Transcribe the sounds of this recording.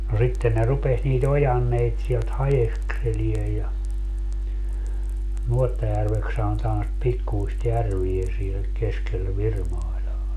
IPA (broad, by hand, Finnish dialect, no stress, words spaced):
no sitːen ne rupes niːt ojɑnːeit sielt hɑjekselie jɑ nuotːɑjærʋeks sɑnotɑːn sit pikːuist jærʋie siel keskel ʋirmɑilɑː